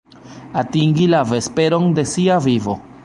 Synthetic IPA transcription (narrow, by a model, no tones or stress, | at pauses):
atiŋɡilave̞spe̞ɾo̞nde̞siavivo̞